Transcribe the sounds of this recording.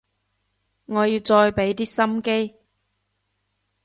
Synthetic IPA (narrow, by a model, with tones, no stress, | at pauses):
ŋɔː˨˧jiː˨˧wt͡sɔː˧jpe˨˥jt̪iː˥sɐ˥mke˥j